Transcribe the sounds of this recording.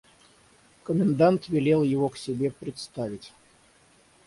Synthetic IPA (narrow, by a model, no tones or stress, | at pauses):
kəmʲɪnd̪ant̪vʲɪlʲelˠjɪvoksʲɪbʲepɾʲɪt̪st̪avʲɪtʲ